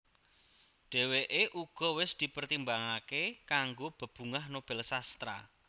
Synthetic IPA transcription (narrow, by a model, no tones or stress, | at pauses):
ɖ̥ɛ̤weʔeʔuɡ̥ɔ̤wɪsd̪̥i̤pərt̪imbaŋakekaŋɡob̥ə̤b̥ṳŋaɦnob̥ɛ̤lsast̪ɾa̰